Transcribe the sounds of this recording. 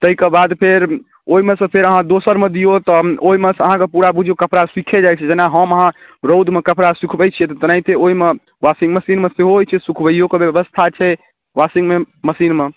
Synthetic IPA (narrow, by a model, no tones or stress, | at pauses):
t̪əɦikebad̪pʰeɾ | oimesə̃pʰeɾəɦãd̪osəɾmed̪ijot̪ɔoimesəɦãkepuɾabud͡ʒʱokəpɾaswikʰed͡ʒajt͡ʃʰɛd͡ʒenaɦəməɦãɾowd̪ʱmekəpɾasikʰbəjt͡ʃʰijɛt̪ɔt̪nait̪eoime | wasiŋɡməsinmeseɦojt͡ʃʰɛsukʰbəjokebjebəst̪ʰat͡ʃʰɛ | wasiŋɡme | məsinme